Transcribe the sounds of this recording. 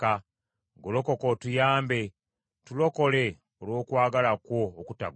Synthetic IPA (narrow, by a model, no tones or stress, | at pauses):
a | ɡolo̞ko̞kotujaːmbe̞ | tulo̞ko̞le̞ | olwo̞ːkwaːɡalakwo̞ːkuta̰ɡ